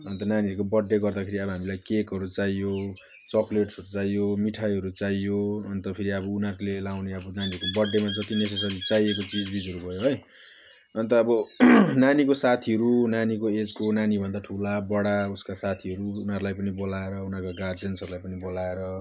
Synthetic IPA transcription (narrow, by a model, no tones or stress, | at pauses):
ʌnt̪ʌnaniʌɾukobʌɖːeɡʌrd̪akʰeɾiʌbʌɦamilajkekɦʌɾut͡sajjo | t͡sʌkleʈsʌɾut͡sajːomiʈʰajɦʌɾut͡sajoʌnt̪ʌpʰeɾiʌbʌunaklelawneʌbʌnaniɦʌɾkobʌɖːemad͡zʌt̪ines̬esʌd͡zit͡sajekot͡sid͡zbid͡zʱʌɾubʱʌjoɦʌj | ʌnt̪ʌːbʌnanikosat̪ʰiɦʌɾunanikoed͡zkonanibʱʌnd̪aʈʰulabʌɽauskasat̪ʰiɦʌɾuːnaɾulajpʌnibolaeɾʌunakaɡard͡zensʌɾulajpʌnibolaeɾʌ